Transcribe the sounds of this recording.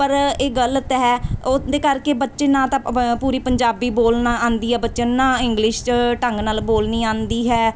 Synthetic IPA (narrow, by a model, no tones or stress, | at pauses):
pəɾeːɡəlt̪ɦɛːd̪eːkəɾkeːbətːʃeːnãːt̪ãːpuːɾiːpəɲd͡ʒaːbiːboːlnaãːnd̪iːɦɛːbətːʃə̃nãːɪŋɡlɪʃʈəŋɡnaːlboːlnĩːãːnd̪iːɦɛː